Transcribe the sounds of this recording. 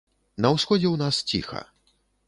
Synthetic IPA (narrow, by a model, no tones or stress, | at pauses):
nɐwsxɔd͡zʲɛwnast͡sʲḭxɐ̰